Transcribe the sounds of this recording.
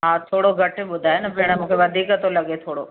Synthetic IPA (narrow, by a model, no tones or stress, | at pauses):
ɦãːt̪ʰoːɽoɡʱɐʈɓʊd̪ʱaːenɐpeɽ̃əmũːkʰeʋɐd̪ʱiːkət̪olɐɠet̪ʰoːɽo